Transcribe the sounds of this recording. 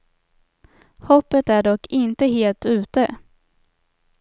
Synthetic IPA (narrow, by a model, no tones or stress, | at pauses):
hɔpːət̪æɖɔkːɪnt̪əɦeːlt̪ʉ̟ːt̪ə